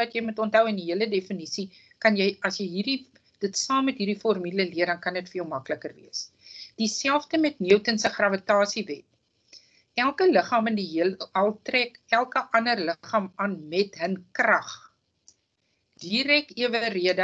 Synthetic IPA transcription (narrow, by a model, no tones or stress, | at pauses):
ɐtjɛjmutɔntɦœwəndiɦiələdefənisi | kɐnjɛjɐsjəjɦiri | d̥ətsɑːmːɛtɦiːrdifɔrmyləliərdɐnkɐnətfəilˠmɐkləkərviəs | d̥isælˠfdəmɛtniəwtənsəχrɐvətɑːsivɛt̚ | ʔælˠkələχɑːməndiɦiələɐlˠtrɛkælˠkəʔɐnərləχɑːmɑːnmɛtɦənkrɐχ | d̥iɾɛkiəvəriədə